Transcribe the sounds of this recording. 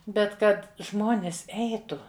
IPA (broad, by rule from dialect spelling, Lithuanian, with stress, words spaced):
ˈbʲɛt ˈkɐt ˈʒmoːnʲɪs ˈɛɪtʊ